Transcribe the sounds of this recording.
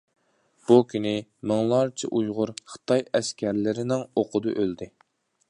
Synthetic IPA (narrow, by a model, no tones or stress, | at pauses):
b̥ukʲynɪmɨŋlˠɑɾt͡ʃʰɪ̰ʔujʁʊɾχə̥t̪ɑjɛskʲʰæɾlɪɾɪnɪŋoqʰʊd̪ɨʔøld̪ɪ